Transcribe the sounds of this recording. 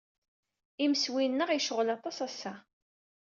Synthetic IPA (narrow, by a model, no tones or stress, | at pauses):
iməswinːəʁijʃəʁlɑt̪ˤɑsæsːæ